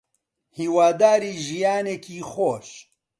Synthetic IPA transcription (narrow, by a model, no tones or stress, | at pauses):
hiːwaːd̪aːɾiːʒijaːnekiːxoːʃ